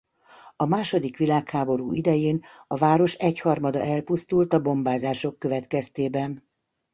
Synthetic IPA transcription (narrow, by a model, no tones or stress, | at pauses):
ɒmaːʃo̞d̪ikʋilaːkhaːbo̞ɾṵːʔid̪ɛjeːnɒvaːɾo̞ʃɛchɒrmɒd̪ɒ̰ʔɛlpust̪ult̪ɒbo̞mbaːzaːʃo̞kːøvɛt̪kɛst̪eːbɛn